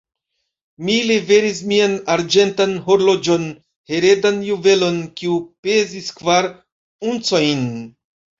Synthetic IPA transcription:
milive̞ɾis̬mianaɾd͡ʒe̞ntanɦo̞ɾlo̞d͡ʒo̞n | he̞ɾe̞danjuve̞lo̞nkiupeziskvaɾ | unt͡so̞jn

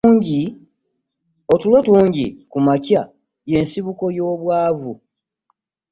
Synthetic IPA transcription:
ɲɟi | otulotuːɲɟḭkumacja | je̞nsiβuko̞jo̞ːβwaːvu

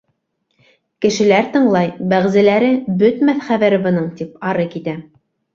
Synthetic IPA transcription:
kɘ̆ʃɘ̆læɾt̪ɤ̆ɴlˠɑjbæʁzæ̆læɾɘbɵt̪mæθχæβæɾɘbɤ̆nɤɴt̪ipɑɾɤkit̪æ

